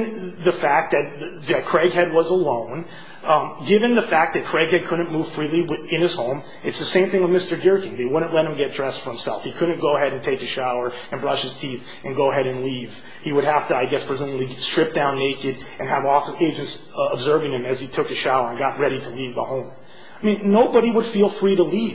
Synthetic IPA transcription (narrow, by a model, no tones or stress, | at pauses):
ðɨfæk̚ðɨt̪̚ððɨt̚kʰɹ̥ɛɪɡɦɛd̚wʌzəlõʊ̃n | ɡɪvɨ̃nðɨfæk̚ðɨt̚kʰɹ̥ɛɡ̚hɛd̚kʰʊdⁿn̩muv̥fɹilˠiwɪɨ̃nɨz̥hõʊ̃m | ɨtsðɨsẽɪ̃mθɪ̃ŋwðmɪstə˞dɪ˞kɪ̃ŋðeɪwʊdⁿn̩ʔlɛt̚hɨ̃m̩ɡɛt̚dɹɛstfə˞hɨ̃msɛ̰lˠfhikʰʊdⁿn̩ɡ̥oʊəɦɛɾɨ̃ntʰeɪkɨʃaʊə˞ | ɨ̃nbɹʌʃhɨz̥tʰiθ | ʔɨ̃nɡoʊəɦɛɾɨ̃nliv̥ | hiwəɾ̚hæftɨaɪɡɛspʰɹ̥izɛ̃nətˡlistɹ̥ɪp̚d̥ãʊ̃nːeɪkɨɾ | ɨ̃nɨvɔfeɪd͡ʒɨ̃nts | əbzɜ˞vɪ̃ŋɨ̃mɨz̥itʰʊkɨʃaʊə˞ɨ̃nɡɑt̚ɹɛɾiɾəlivðə̰hõʊ̃m | aɪmĩnːoʊbəɾiwəd̥filˠfɹiɾəliv